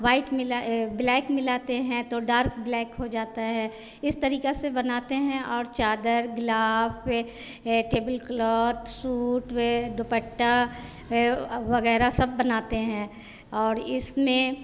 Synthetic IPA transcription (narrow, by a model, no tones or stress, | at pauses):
ʋaːɪʈmɪlablɛːkmɪlaːt̪eɦɛ̃t̪oɖaːɾk̚blɛːkɦod͡ʒaːt̪aɦɛː | ɪst̪ɐɾiːkesebɐnaːt̪eɦɛ̃ʔɔːɾt͡ʃaːd̪əɾɡlaːf | ʈeːbəlklɔːt̪suːʈɖopəʈːa | ʋɐɣɛːɾasɐb̚ːɐnaːt̪eɦɛ̃ | ɔːɾɪsmẽ